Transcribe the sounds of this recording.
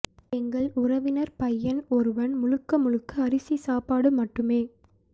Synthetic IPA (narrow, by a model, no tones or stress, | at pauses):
ɛŋɡɐɭʊrɐʋɪnɐɾpɐjːɐnɔɾɯʋɐnmʊɻɯkːɐmʊɻɯkːɯɐrɪsisaːpaːɽɯmɐʈːɯmeː